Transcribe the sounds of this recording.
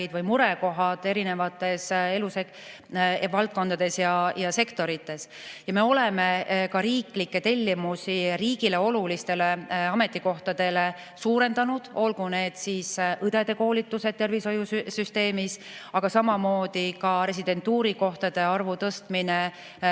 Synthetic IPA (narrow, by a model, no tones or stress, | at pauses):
id̪̥vɯjmuɾe̞ko̞ɦɑd̪̥e̞ɾine̞vɑt̪ːˑe̞se̞luse | vɑlt̪̚ko̞nd̪̥ɑd̪e̞sjɑjɑse̞kt̪o̞ɾit̪ːe̞sjɑme̞o̞leɛmekɑɾiːklikːet̪e̞lʲːimusiɾiːɡile̞o̞lulist̪e̞le̞ɑme̞t̪ˑːiko̞ht̪ɑd̪̥e̞le̞ | suːɾe̞nd̪ɑnud̪̥o̞lɡune̞ːd̪̥sisʔɯd̪̥e̞d̪e̞ko̞ːlit̪ːˑuse̞d̪̚t̪e̞rviso̞jussyst̪e̞ːmis | ɑɡ̥ɑsɑmɑmo̞ːd̪̥ikɑɾe̞s̬id̪e̞nt̪ːuːɾiko̞ht̪ɑd̪̥e̞ɑrvut̪ɤst̪mine